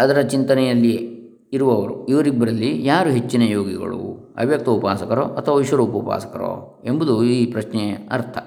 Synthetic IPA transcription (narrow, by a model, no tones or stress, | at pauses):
ɐd̪ɐɾɐt͡ʃint̪ɐnɛjɐlːi | iɾuʋɐʋɐɾuiʋɐɾibːɐɾɐlːijaːɾuɦe̞t͡ʃːinɐjoːɡiɡɐ̰ɭṵɐ̰bjɐk̚t̪ɐupaːsɐkɐɾoʔɐt̪ʰːɐʋaʋiʃʋɐɾuːpɐpa̰ːsɐ̥kɐɾo̰ | e̞mbud̪uiːpɾɐʃnɛɐ̰ɾt̪ʰɐ